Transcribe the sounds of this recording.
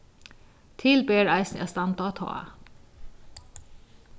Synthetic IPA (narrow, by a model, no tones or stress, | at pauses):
t̪ʰɪlbeːɾæɪsnʔæst̪ɑnt̪ɑt̪ʰɑ̰ːə̰